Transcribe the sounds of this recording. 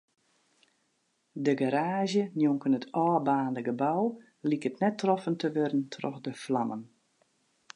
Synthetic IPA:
dəɡaɾaːʒjənjoŋkənətʰɔːbaːndəɡəbaw | likətnɛtːrɔfəntəʋødən̩tʰrɔ̰xdəflamən

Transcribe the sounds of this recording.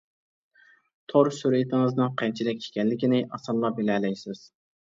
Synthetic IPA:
t̪ʰoɾsyɾɪt̪ʰɪŋɨznɨŋqʰɛnt͡ʃʰilɪkʲʰe̥kʲɛnːɪkʲinɪʔɑsɑlˠːɑbelɛlɛjsɪz̥

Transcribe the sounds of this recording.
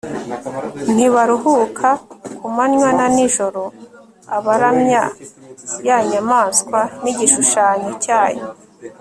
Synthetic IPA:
n̥iβaɾuɦukʰakʰumanɲwananiʒoɾo | aβaɾamɲa | jaɲamaːnskwaniɟiʃuʃaːɲecaːjo

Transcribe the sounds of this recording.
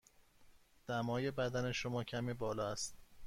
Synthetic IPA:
d̪̥æmɒːje̞bæd̪æne̞ʃomɒːcʰæmiːbɒːlɒːæst̪̚

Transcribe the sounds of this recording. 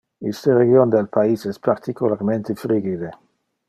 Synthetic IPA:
ist̪eɾeɡjond̪elpʰaisɛspaɾt̪ikulaɾment̪efɾiɡid̪e

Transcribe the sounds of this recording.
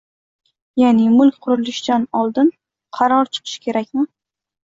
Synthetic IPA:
janɪmʊlˠkʲqʰʊɾɪlɪʃd̪̥anɒlˠd̪ɪn | qʰɑɾɒɾt͡ʃʰɨ̥qʰɨ̥ʃkʲʰe̞ɾakʲmɪ

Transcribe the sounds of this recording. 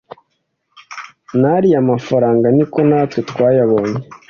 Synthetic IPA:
naɾiamafaɾaːŋɡaniko̞naːtwetwaːjaβo̞ɲe

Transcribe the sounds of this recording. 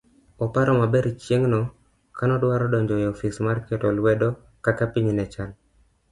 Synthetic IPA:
ɔpaɾɔmabɛɾt͡ʃjeŋnɔ | kanɔdwaɾɔdɔɲd͡ʒɔjɛɔfismarkɛtɔlwɛdɔ | kakapiɲnɛt͡ʃal

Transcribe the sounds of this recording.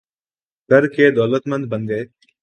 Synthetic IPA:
kəɾkʰeːd̪ɔːlət̪mə̃nd̪̚bə̃nɡəeː

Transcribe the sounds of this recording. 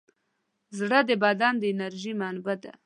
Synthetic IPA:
zɽəd̪əbad̪ɑnd̪əɪnaɾʒimanbad̪a̰

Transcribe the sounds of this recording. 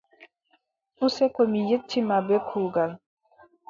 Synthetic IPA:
usɛkomijetːimabekʰuɡal

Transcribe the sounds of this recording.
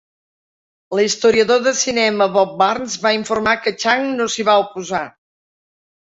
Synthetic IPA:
list̪uɾiəðoðəsinɛməβɔp̚barnzβaiɱfurmakət͡ʃaŋnosiβaupuza

